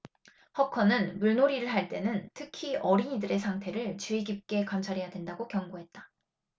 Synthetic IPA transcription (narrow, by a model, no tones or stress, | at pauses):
hʌkʰʌnɯnmuɭnoɾiɾɯɭɦaɭt͈e̞nɯntʰɯkʰiʌɾiɲidɯɾe̞sʰaŋtʰe̞ɾɯɭt͡ɕuiɡip̚k͈e̞kamt͡ɕʰaɾijadwe̞ndaɡokjʌŋɡoɦe̞t̚t͈ḁ